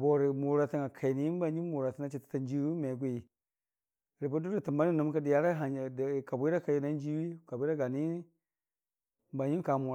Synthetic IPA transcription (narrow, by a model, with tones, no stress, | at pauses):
bo˨ɾi˨mu˨ɾa˨ta˦ŋa˨kʰa˨ni˦i˦ba˦˨ɲi˦mu˨ɾa˨ti˦na˦t͡ʃi˨ti̥˦ta˨n˦d͡ʒi˦wi˦me˨ɡ̬ʷu˦ji˨ | ɾi˨ba˦du˦ɾi˨ti˨mba˦ni˦nu˨˦m˦ka˦di˨ja˦ɾa˦ɦa˨dka˨bu˦ɾa˦ka˨ji˨na˦n˦d͡ʒi˦wi˦ka˨bʷu˦ɾa˦ɡa˨ni˦ | m˦ba˨ɲi˦ka˨mu˨ɾ